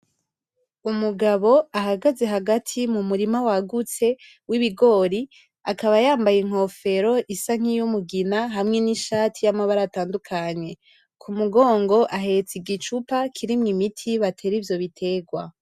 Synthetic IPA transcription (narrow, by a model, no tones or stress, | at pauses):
umuɡaβo̞aɦaɡaze̞ɦaɡatʰimumuɾimawaɡut͡se̞ | wiβiɡo̞ːɾi | akaβajaːmbajiŋ̥ho̞fe̞ɾo̞ʔisaŋ̥ijumuɡinaɦamŋe̞niʃaːtʰijamaβaɾataːndukʰaɲe̞ | kʰumuɡo̞ːŋɡo̞ʔaɦe̞t͡siɡit͡ʃupakʰiɾimŋimitʰiβatʰe̞ːɾivjo̞βitʰe̞ːɡwa